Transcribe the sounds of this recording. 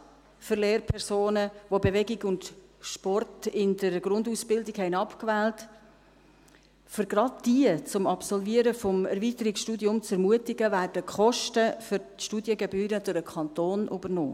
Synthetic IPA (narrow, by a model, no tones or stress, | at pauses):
fəɾleːrpʰɛɾsoːnəvobevɛɡɪɡʊndʃpɔrtɪndəɾɡ̥ɾʊnduːsb̥ɪldɪɡhɛɪnɑpkvɛːlt | fʏɾɡ̥ɾɑd̚d̥iət͡sʊmɑpsɔlviəɾəfɔmɛɾvitəɾiksʃtuːdjʊmt͡sɛɾmuətɪɡəvæːrdəkχɔʃtəfʏɾ | ʃtuːdjəɡɛbyːɾəd̥ʊɾəkʰχɑnt̪oːnʔy̰bərnɔ̰ː